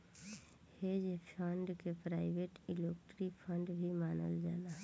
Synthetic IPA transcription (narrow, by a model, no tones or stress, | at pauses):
heːd͡ʒpʰəɳɖkepɾaːɪʋeːʈɪleːkʈɾipʰə̃ɳɖbʱimaːnə̰ld͡ʒaːnaɦɛ